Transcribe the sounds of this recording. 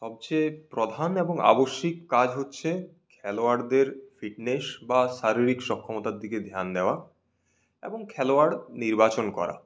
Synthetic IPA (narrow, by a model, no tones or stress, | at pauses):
ʃɔb̚t͡ɕepɾod̪ʱaneboŋa̰boʃːikːad͡ʑʱɦotːɕʰe | kʰɛloaɾd̪eɾfiʈnesbaʃaɾiɾikʃɔkʰːɔmot̪ad̪iked̪ʱjand̪eoa | ḛboŋkʰɛloaɽniɾbat͡ɕonkɔ̰ɾa̰